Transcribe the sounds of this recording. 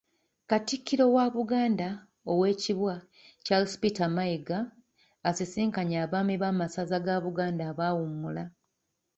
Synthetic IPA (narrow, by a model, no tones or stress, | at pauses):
katikʰːiɾo̞waːβuɡaːnda | o̞we̞ːciβwa | calspitamajiɡaː | sisiːŋkaɲaːβaːmiβaːmasazaɡaβuɡaːndaːβaːwumula